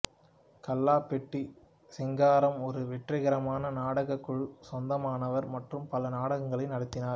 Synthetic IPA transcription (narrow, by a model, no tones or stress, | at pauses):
kɐlːaːpɛʈːi | sɛŋɡaːɾɐmɔɾɯʋɛʈrɐɣɐɾɐmaːnɐnaːɽɐɣɐkːɯɻsɔnd̪ɐmaːnɐʋɐɾmɐʈrɯmpɐlɐnaːɽɐɣɐŋɡɐɭɐɪnɐɽɯt̪ːɪnaːɾ